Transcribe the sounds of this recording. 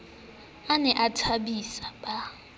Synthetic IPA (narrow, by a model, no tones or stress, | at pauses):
anɛʔatʰaɓisaɓa